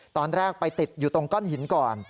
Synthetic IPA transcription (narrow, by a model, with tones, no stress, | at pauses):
t̪ɔː˧nɾɛː˥˩k̚pa˧jt̪i˨˩t̪̚juː˨˩t̪o˧ŋkɔ˥˩nhi˩˦nkɔː˨˩n